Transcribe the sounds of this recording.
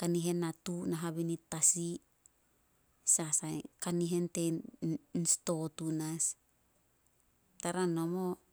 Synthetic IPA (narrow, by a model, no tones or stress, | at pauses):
kaniɦe̞nːatunaɦaβinitasi | sasajkaniɦe̞nte | nsto̞tunas | taɾanomo